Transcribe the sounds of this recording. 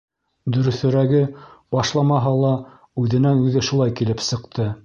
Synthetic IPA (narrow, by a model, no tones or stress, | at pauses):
d̪ɵ̆ɾɵ̆θɵ̆ɾæɡɘbɑʃlˠɑmɑɦɑlˠɑ | ʉðɘ̆nænʉðɘʃulˠɑjkilɘpsɤ̆qt̪ʰɤ